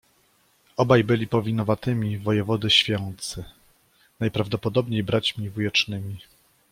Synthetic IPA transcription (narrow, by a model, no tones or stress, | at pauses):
ɔbajbɘlʲipɔvʲinɔvat̪ɘmʲivɔjɛvɔd̪ɘɕfʲjɔnt̪sɘ | najpɾavd̪ɔpɔd̪ɔbɲejbɾat͡ɕmʲivujɛt͡ʂnɘmʲi